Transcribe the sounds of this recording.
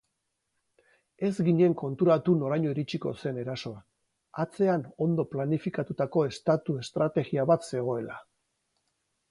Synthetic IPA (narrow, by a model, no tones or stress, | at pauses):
e̞zɡiɲe̞ŋko̞nt̪uɾat̪uno̞ɾajɲo̞iɾit͡ʃiko̞̰se̞ne̞ɾaso̞a | at͡se̞ano̞nd̪o̞planifikat̪ut̪ako̞e̞st̪at̪ue̞st̪ɾat̪e̞ɣiaβat̪se̞ɣ̞o̞e̞la